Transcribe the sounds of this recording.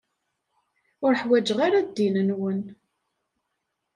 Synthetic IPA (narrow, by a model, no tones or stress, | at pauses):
ʊɾħwæd͡ʒəʁaɾad̪ːinənwən